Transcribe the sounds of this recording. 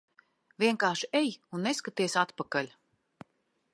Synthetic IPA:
vʲiɛŋkaːʃiejunːeskat̪iɛsat̪pakalʲ

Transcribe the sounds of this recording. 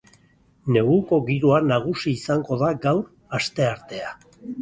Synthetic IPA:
ne̞ɣuko̞ɣiɾuanaɣ̞usiːsaŋɡo̞ðaɡawɾ | ast̪e̞aɾt̪e̞a

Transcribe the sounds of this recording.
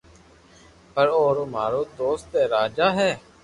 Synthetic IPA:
pəɾoːɾoːmaːɾoːd̪oːst̪eːɾaːd͡ʒaːɦɛː

